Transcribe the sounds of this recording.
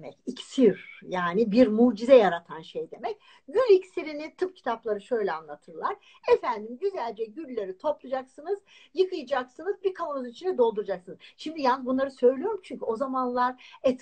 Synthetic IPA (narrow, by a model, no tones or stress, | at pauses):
mɛcicsiɾjaːnibiɾmuːd͡ʒizɛjaɾat̪ʰanʃejd̪e̞mɛc̚ | ɟylʲicsiɾinit̪ʰɯpcʰi̥t̪ʰaplˠaɾɯʃø̞jlʲɛanlˠat̪ʰɯɾlˠaɾ | efænd̪imɟyzælʲd͡ʒɛɟylʲːeɾit̪ʰo̞plˠud͡ʒaksɯnɯz̥jɯkʰɯjɯd͡ʒaksɯnɯzbiɾkʰalunit͡ʃʰind̪ɛd̪o̞lˠd̪uɾad͡ʒaksɯnɯzʃimd̪ijanzbunlˠaɾɯsø̞jlʲyjo̞ɾumt͡ʃʰyɲcʰyo̞zamanlˠaɾɛt̪